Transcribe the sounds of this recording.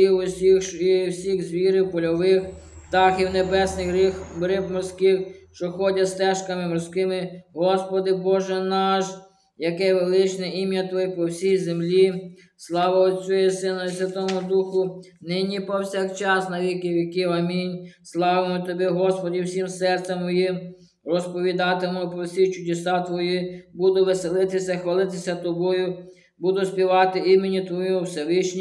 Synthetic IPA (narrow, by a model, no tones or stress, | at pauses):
iwʊsʲixwsʲiɣzʲʋʲiɾɪwpɔlʲɔʋɪx | t̪ɑxiwnebɛsnɪxɾɪxrɪpmɔrsʲkɪxʃt͡ʃɔxɔdʲɐst̪ɛʃkɐmɪmɔrskɪmɪɦɔspɔd̪ɪbɔʒɛnɑʃ | jɐkɛʋelˠɪt͡ʃnɛimʲjɐt̪ʋɔjɛpɔwsʲijzemlʲi | slˠɑʋɐɔsʲɔjɛsɪnɔsʲʋʲɐt̪ɔmʊd̪uxʊ | nɪnʲipɔwsʲakt͡ʃɑsnɐʋʲikɪwʲikɪwɐmʲinʲslˠɑʋemɔt̪ɔbʲɛɦɔspɔdʲiwsʲimsɛrt̪sɛmːɔjim | rɔspɔʋʲid̪ɑt̪ɪmʊpɔwsʲit͡ʃʊd̪ʲesɑt̪ʋɔjibud̪ʊʋɪselˠɪt̪ɪsʲɐxʋɐlˠɪt̪ɪsʲɐt̪ɔbɔjʊ | bud̪ʊsʲpʲiʋɑt̪ɪimenʲit̪ʋɔjiʊwsʲɛʋɪʃnʲi